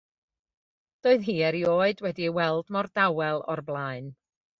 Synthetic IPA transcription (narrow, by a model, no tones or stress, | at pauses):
d̥oːɨðɦiːɛɾioːɨdwɛdiwɛlˠdmɔrdawɛlˠɔ̰rblˠaːɨn